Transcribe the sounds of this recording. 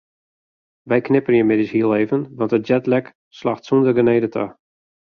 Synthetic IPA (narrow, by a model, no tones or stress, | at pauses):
ʋɛjknɪpənjəmɪdishiəlˠeːvənʋɑntət̚d͡ʒɛtlɛk | slaxtsundərɡəneːdətʰə̰